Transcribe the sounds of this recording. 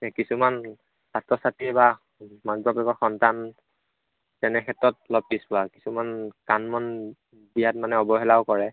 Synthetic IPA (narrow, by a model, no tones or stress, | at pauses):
kisuman | satːɔsatiɛba | maɡbɔpɛkɔxɔntan | tɛnɛkʰɛtɹɔt̚lɔb̚dispʊaki̥sumankanmɔn | bijatmanɛɔbɔɦɛlaʊkɔɹɛ